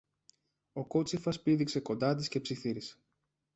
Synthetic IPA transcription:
o̞ko̞t͡sifɐspiðikse̞ko̞nd̪ɐt̪̬isce̞psiθiɾise̥

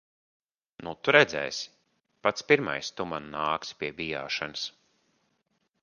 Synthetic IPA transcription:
nut̪uɾɛd̪zɛ̰ːjs | pat̪spiɾma̰jst̪umanːaːkspʲiɛbija̰ːʃanɨs

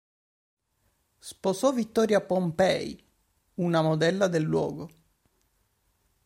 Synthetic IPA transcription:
sposɔvit̪ːɔːɾjapompɛj | unamod̪ɛlːad̪elːwɔ̰ːɡo

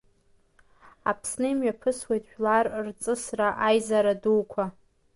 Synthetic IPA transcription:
a̰pʰsnɨimɥapʰɨswejtʼʃᶣlarrt͡sʼɨsraʔajzaɾaduwkʷʰa

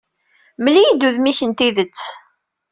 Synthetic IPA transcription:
məlijid̪uðmiçənt̪iðət͡sː

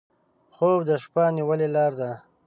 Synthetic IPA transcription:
xobd̪əʃpaniwəlelɑːɾd̪a

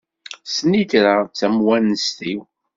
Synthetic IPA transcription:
səniθɾat͡sːæmwænəst̪iw

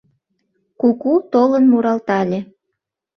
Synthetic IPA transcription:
kukut̪olənmuɾɑlt̪ɑlʲe

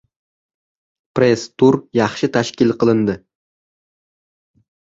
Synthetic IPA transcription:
pɾest̪ʰuɾjɑχʃɪt̪ʰaʃkʲɪlˠqɨlˠɪnd̪ɪ

